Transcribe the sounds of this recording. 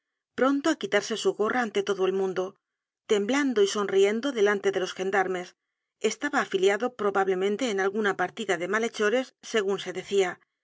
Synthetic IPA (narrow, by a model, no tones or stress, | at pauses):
pɾo̞nt̪oakit̪aɾse̞suɣo̞rʔaːnt̪e̞t̪o̞ðoe̞lmũnd̪o̞ | t̪e̞mbland̪oiso̞nrie̞nd̪o̞ðe̞lant̪e̞ðe̞lo̞sxe̞nd̪aɾme̞s | e̞st̪aβaːfiljaðo̞pɾo̞βaβle̞mẽnt̪e̞ːnalɣunapaɾt̪iðaðe̞male̞t͡ʃo̞ɾe̞sːe̞ɣ̞unse̞ðe̞θia